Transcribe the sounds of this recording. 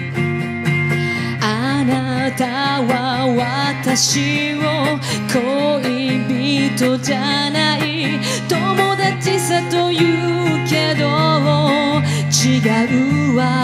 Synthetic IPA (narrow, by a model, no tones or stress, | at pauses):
ana | t̪awawat̪aɕi | o | kʰoibit̪od͡ʒanai | t̪omod̪at͡ɕisat̪ojɯke̞d̪oo | t͡ɕiɡaɯwa